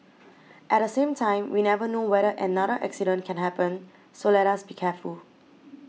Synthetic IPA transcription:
ʔɛt̚dəsẽmtʰãɪ̃mwinɛvənowɛɾəʔɛnadəʔɛ̰ksiɾə̃nkʰɛ̃nɦɛpə̃n | solɛɾasbikʰɛful

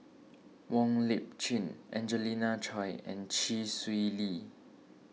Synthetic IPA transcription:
wɔ̃ŋlip̚t͡ʃĩnʔɛ̃nd͡ʒəlinat͡ʃʰɔjɛ̰̃nt͡ʃiswili

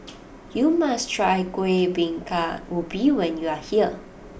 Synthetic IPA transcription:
jumastʰɹajkwebĩŋkaubiwɛ̃njuahiə

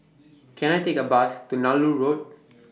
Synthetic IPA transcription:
kʰɛ̃naɪtekəbastunaluɹoːd̚

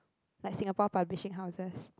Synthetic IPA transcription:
lajksĩŋapɔpablɪʃɪ̃ŋɦaʊzəs

